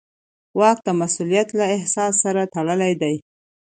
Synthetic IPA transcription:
wɑk̚d̪əmasulijat̪laɪhsɑsːaɾat̪aɽəlajd̪aj

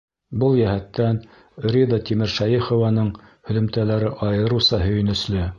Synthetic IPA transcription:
bɤlˠjæhæt̪ːæn | ɾʲid̪ɑt̪ʲimɘ̆ɾʃæjifŏvɑnɤɴ | hɵ̆lɵ̆mt̪ælæɾɘʔɑjɤ̆ɾusɑɦɵ̆jɵ̆nɵ̆slɘ

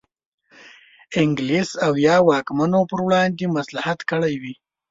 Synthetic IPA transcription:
ɪŋɡlisawjɑwɑkmanopəɾwɽɑnd̪emaslahat̪kəɽajwi

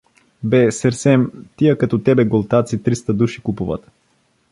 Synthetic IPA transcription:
bɛsɛɾsɛmt̪ijəkɐt̪ɔt̪ɛbɛɡolˠt̪at̪sit̪ɾist̪əd̪uʃi̥kupuvə̰t̪

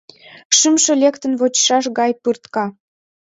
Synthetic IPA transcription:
ʃymʃĕlʲekt̪ə̆nβot͡ɕʃɑʃɣɑjpɯrt̪kɑ

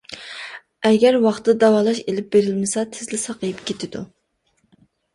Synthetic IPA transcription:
ɛɡʲæɾwɑχt̪d̪ɑwɑːlˠɑʃelɪp̚beɾɪlmɪsɛt̪ʰɪzlɪsɑqʰəjɪpkʲʰet̪ʰɪd̪ṵ

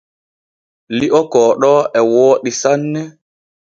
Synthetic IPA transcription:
liʔɔkɔːɗɔʔɛwoːɗisanːɛ

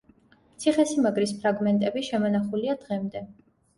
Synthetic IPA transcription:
t̪sʰiχɛsimaɡɾispʰɾaɡmɛnt̪ʼɛbiʃɛmɔnaχuliad̪̥ʁɛmd̪ɛ

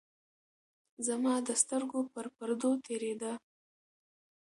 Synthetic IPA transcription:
zamɑd̪əst̪əɾɡopəɾpəɾd̪ot̪ʰeɾed̪a

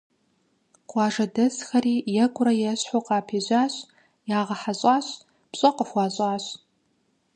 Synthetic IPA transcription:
qʷɑːʐɐdɐzxɐriːjɛɡʷʊɾɐjɛɕħoqɑːpʰiːʑʷaːɕʼ | jaːʁɐħaɕʼaːɕ | pɕʼɐqəxʷɑːɕʼaːɕʷ

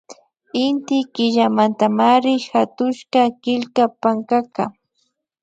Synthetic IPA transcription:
ɪnt̪ɪkɪʎamant̪amaɾɪxat̪ʊʃkakɪlkapaŋkaka

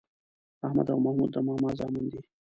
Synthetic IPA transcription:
ahma̰d̪awmahmud̪ːəmahmɑzɑːmund̪i

